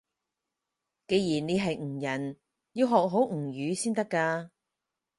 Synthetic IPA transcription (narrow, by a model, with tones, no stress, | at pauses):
ke˨˧jjiː˨˩ne˨˧jɦɐ˨jŋ̩˨˩jɐ˨˩n | ji˨˧wɦɔː˨k̚ɦo˨˥wŋ̩˨˩jyː˨˧˥siː˥nt̪ɐ˥kːaː˧